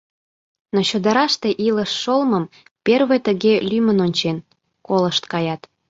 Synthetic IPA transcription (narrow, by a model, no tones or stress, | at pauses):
not͡ɕod̪əɾɑʃt̪e̽ʔiləʃːolməm | perβet̪əɣelymənonʲt͡ɕen | koləʃt̪kɑjɑt̪